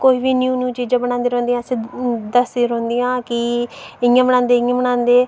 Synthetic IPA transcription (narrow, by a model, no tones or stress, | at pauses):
koːiːbiːnjuːnjũːt͡ʃiːd͡ʒãːbənãːnd̪eːɾɔ̃ːnd̪iːãːsĩːd̪əsd̪iːɾɔ̃ːnd̪ijãːkɪɪãːbəɽãːnd̪eːɪãːbənãːnd̪eː